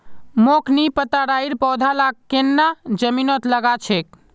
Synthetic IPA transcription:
mokʰnipət̪aɽaiɾpɔːd̪ʱalaɡkenːad͡ʒəminɔt̪ləɡat͡ʃʰek̚

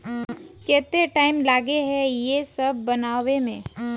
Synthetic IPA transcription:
kɛːt̪eʈaːɪmlaːɡeɦɛjesɐb̚ʱːɐnaːwemẽː

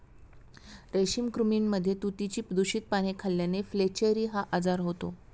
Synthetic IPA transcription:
ɾeɕiːmkɾuminːəd̪ʱːjet̪ut̪it͡ɕiːpəd̪uɕiːt̪̚paɽ̃ekʰaljaneflet͡ɕeɾiːɦaʔad͡zaɾɦot̪o̰

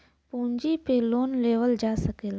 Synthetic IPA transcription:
pũːɲd͡ʒipeloːnleːʋəld͡ʒaːsəkeːla

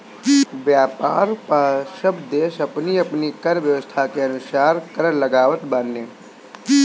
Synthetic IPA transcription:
bjaːpaːɾpaːʃəbd̪eːʃəpniɐpnikəɾʋjəʋəst̪ʰakeɐnʊsaːɾkəɾləɡaːʋət̪banːeː

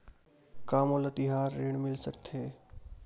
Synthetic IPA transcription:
kaːmolət̪ɪɦaːɾːeːɳ̃mɪlsəkt̪ʰɦeː

